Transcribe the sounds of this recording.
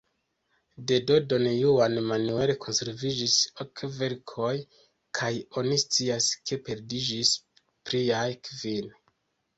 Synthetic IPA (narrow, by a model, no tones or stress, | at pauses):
de̞do̞do̞njuanmanue̞lekʰo̞nse̞ɾvid͡ʒisokve̞ɾkʰo̞j | kʰajo̞nist͡siaske̞pe̞ɾdid͡ʒis | pɾiajkvin